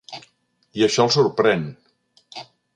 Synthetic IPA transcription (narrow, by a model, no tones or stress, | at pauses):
iəʃɔlˠsuɾpɾɛn